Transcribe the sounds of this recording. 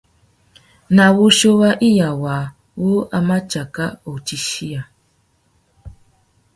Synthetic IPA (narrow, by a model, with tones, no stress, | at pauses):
na˨wu˦ʃo˦wa˦ʔi˦ja˨waː˨ | wo˦ʔa˨ma˦t͡ʃa˨ka˦o˨t͡ʃi˦ʃi˦ja˨